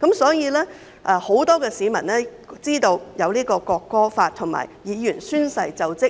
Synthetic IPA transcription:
kɐ˨˥msɔː˨˥jiː˧lɛː˥ | ʔɛː˧ho˨˥wt̪ɔː˥kɛː˧siː˨˥mɐ˨˩nlɛː˥ | t͡siː˥t̪o˧wjɐ˨˧wliː˥kɔː˧kɔː˧kːɔː˥faː˧t̚t̪ʰʊ˨˩ŋma̰ː˨˩jjiː˨˧jy˨˩nsyː˥nsɐ˧jt͡sɐ˨wt͡sɪ˥

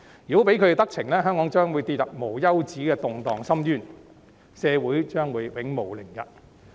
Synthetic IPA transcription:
jyː˨˩o˨˥pe˨˥jkʰɵ˧e˧t̪ɐ˥k̚t͡sʰɪ˨˩ŋlɛː˥ɦœː˥ŋkɔː˨˧˥ŋt͡ʃœː˥ŋwu˨˧jt̪iː˧t̚jɐ˨p̚mo˨˩wjɐ˥wt͡siː˨˥kɛː˧t̪ʊ˨ŋt̪ɔː˨ŋsɐ˥mjyː˥˩n | sɛː˨˧wuː˨˥jt͡ʃœː˥ŋwuː˨˧jwɪ˨˥ŋmo˨˩wlɪ˨˩ŋjɐ̰˨t̚

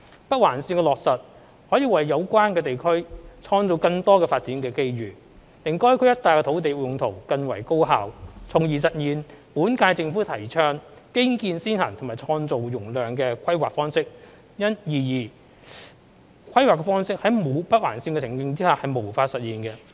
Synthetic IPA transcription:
pɐ˥t̚waː˨˩nsiː˧nkɛː˧lɔː˨k̚sɐ˨t̚ | hɔː˨˥jiː˨˧wɐ˨jːɐ˨˧wkʷaː˥nkɛː˧t̪e˨jkʰɵ˥ɥt͡ʃʰɔː˧ŋt͡so˨wkɐ˧ŋt̪ɔː˥kɛː˧faː˧t̚t͡siː˨˥nkɛː˧ke˥jɥyː˨ | t̪ɪ˨˩ŋkɔː˥jkʰɵ˨˥jɐ˥t̚t̪aː˨jkɛː˧o˨˥wt̪e˨jjʊ˨˧ŋt̪ʰo˨˩wkɐ˧nwɐ̰˨˩jko˥wɦaː˨wt͡sʰʊ˨ŋjiː˨˩sɐ˨t̚jiː˨npuː˨˥nkaː˧jt͡sɪ˧ŋfuː˨˥t̪ʰɐ˨˩jt͡ʃʰœː˥ŋkɪ˥ŋkiː˧nsiː˥nha̰˨˩ŋt̪ʰmaː˨˩t͡sʰɔː˧ŋt͡so˨wjʊ˨˩ŋlœː˨ŋkɛː˧kʷʰɐ˥jwaː˨k̚fɔː˥ŋsɪ˥k̚ | jɐ˥njiː˨jiː˨˩ | kʷʰɐ˥jwaː˨˩kɛ˧fɔː˥ŋsɪ˥k̚hɐ˨˥jmo˨˧wpɐ˥t̚waː˨˩nsiː˧nkɛ˧t͡sʰɪ˨˩ŋkɪ˧ŋt͡siː˥haː˨˩hɐ˨jmo˨˩wfaː˧t̚sɐ˨t̚jiː˨nkɛ˧

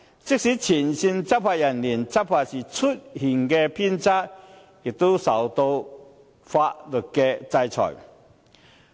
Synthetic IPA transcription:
t͡si˥k̚si˨˦t͡ɕʰi˨˩nɕi˧nt͡sa˦˥pfa˧ja˨˩nli˨˩nt͡sa˥p̚pʰa˧˩si˨˩t͡sʰu˥t̚hi˨˩ŋke˧pʰi˥nt͡sa˦˥t̚ | ki˨˩t̪u˦sa˨˩wt̪o˧ | fa˧tlu˨˩t̚kɛ˧t͡sa˧jt͡sʰɔ̰˨˩j

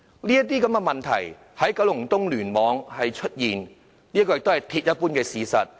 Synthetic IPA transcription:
liː˥ɐ˥t̪̬iː˥kɐ˨˦mkɛ˧mɐ˨nt̪ʰɐ̰˨˩j | hɐ˨˥jkɐ˨˥wlʊ˨˩ŋt̪ʊ˥ŋlyː˨˩nmɔː˨˧ŋhɐ˨jt͡ʃʰɵ˥t̚jiː˨n | liː˥kɔː˧jɪ˨kt̪o˥whɐ˨˩jt̪ʰiː˧˥t̚jɐ˥t̚puː˥nkɛː˧siː˨˧sɐ̰˨t̚

